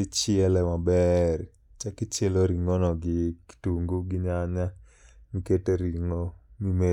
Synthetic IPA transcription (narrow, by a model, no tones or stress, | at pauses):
ɪt͡ʃɪɛlɛmabɛr | t͡ʃakɪt͡ʃeloɾiŋonɔɡɪktuŋɡuɡɪɲaɲa | miketeɾiŋomime